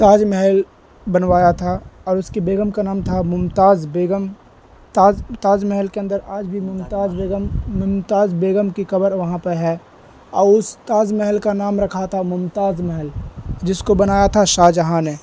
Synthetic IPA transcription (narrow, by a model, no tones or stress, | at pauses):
t̪aːd͡ʒmɛɦɛl | bɐnʋaːjat̪ʰaɔːɾʊskibeːɡəmkanaːmt̪ʰamʊmt̪aːzbeːɡəm | t̪aːzt̪aːd͡ʒmɛɦəlkeɐ̃nd̪əɾaːd͡ʒbʱimʊmt̪aːzbeːɡəmːʊmt̪aːzbeːɡəmkixɐbəɾʋɐɦãpɐɾɦɛː | ɔːɾʊst̪aːd͡ʒmɛɦəlkanaːmɾɐkʰat̪ʰamʊmt̪aːzmɛɦɛld͡ʒɪskobɐnaːjat̪ʰaʃaːd͡ʒɐɦãneː